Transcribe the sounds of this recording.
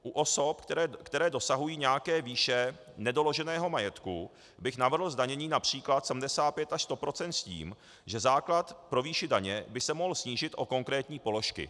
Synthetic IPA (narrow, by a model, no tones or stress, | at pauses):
ʔuʔo̞so̞pkt̪ɛɾɛːdo̞saɦujiːɲɛjakɛːviːʃɛ | nɛdo̞lo̞ʒɛnɛːɦo̞majɛt̪ku | bɪxnavr̩ɦl̩zdaɲɛɲiːnapr̝̥iːklat̪sɛm̩dɛsaːt̪̚pjɛt̪aʃst̪o̞pɾo̞t͡sɛnt̪scḭːm | ʒɛzaːklat̪pɾo̞viːʃɪdaɲɛbɪsɛmo̞ɦl̩sɲiːʒɪt̪ʔo̞ko̞ŋkɾɛːt̪ɲiːpo̞lo̞ʃkɪ̰